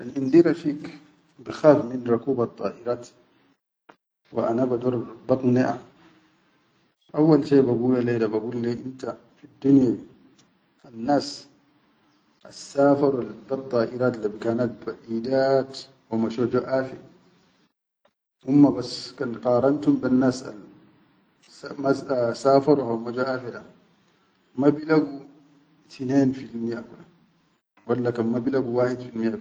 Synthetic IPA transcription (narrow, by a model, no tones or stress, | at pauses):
ʔalʔind̪iɾafiːk | bixaːfminɾˤukuːbɑt̪ˤːɑ̰ːʔiɾaːt̪ | wḭʔanabad̪uɾˤbɑt̪ˤniʔa | ʔawːalʃeːbaɡuːlaleːd̪abaɡuːlːeʔint̪a | fid̪ːunjai | anːaːs | ʔa̰sːaːfɑɾˤwalb̪ɑt̪ˤːɑːʔiɾaːt̪libikaːnat̪̚baʔiːd̪aːt̪ | wamaʃod͡ʒuʔaːfiɾ | ʔumːabaskanqɑːɾˤɑnt̪umbanːaːsa̰l | masaːfɑɾˤuhawmad͡ʒaʔaːfiɾa | mabilaɡu | t̪ʰineːnfilmijakula | walːakanmabilaɡuwaːħid̪filmijak